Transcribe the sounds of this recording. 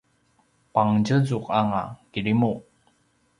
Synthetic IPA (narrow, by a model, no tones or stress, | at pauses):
paŋd͡ʑəzuqaŋa̰kiɾimu